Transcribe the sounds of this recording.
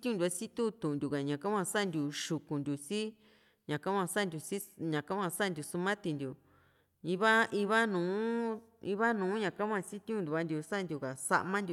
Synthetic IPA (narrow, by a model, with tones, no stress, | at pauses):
i˦t̪ĩ˦ũ˦˧d̪ʲu˧a˧˦si˦t̪u˦t̪ũ˨ʔnd̪ʲu˨ka˨ɲã˨ka˦ã˧sa˦˧nd̪u˧ʃu˨kũ˨nd̪ʲu˨si˦ | ɲã˨ka˦mʷã˧sa˦˨nd̪ʲu˧si˦ɲã˨ka˦ã˧sa˦˨nd̪ʲu˧su˦mã˦t̪i˧nd̪ʲu˨ | ĩ˧βa˦ʔi˧βa˦nũː˨˦ | i˧˦βa˦nũː˨˦ɲã˨ka˦mʷã˧si˦t̪ũ˦˧nd̪u˧βa˧˦nd̪ʲu˧sa˦˧nd̪ʲu˨ka˨sa̰˧ʔmã˦nd̪ʲu˧˨